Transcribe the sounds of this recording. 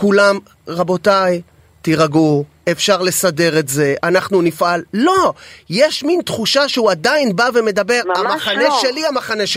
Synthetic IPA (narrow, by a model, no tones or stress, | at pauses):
kulam | ʁabo̞taj | t̪iʁaɡu | efʃaʁle̞sade̞ʁe̞tze̞ʔanaχnunifʔalːo̞jeʃmint̪χuʃaʃeuad̪ainbave̞me̞d̪abe̞ʁamaχaneʃe̞liamaχaneʃ